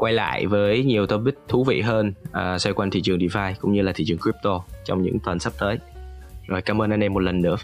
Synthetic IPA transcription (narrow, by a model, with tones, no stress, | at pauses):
kwa˧jla̰ː˧˨jvəː˨˦jɲi˨˩əwt̪ə˧vi˦˥k̚t̪ʰu˨˦vḭ˧˨ɦəː˧nʔəː˨˩swa˧jkwaː˧nt̪ʰḭ˧˨t͡ɕɨ˨˩əŋɗi˧˩faː˧jkʊ̰˧˥ŋ͡mɲɨ˧laː˨˩i˧˩t͡ɕɨ˨˩ŋkɹi˦˥p̚t̪o˧t͡ɕɔ˧wŋ͡mɲɨ̰˧˥ŋt̪waː˨˩nsa˦˥p̚t̪əː˨˦jzo˨˩jkaː˨˧mʔəː˧nʔa˧nɗɛ˧mːo˨˩t̚lə˨˩nːɨ̰˧˥ə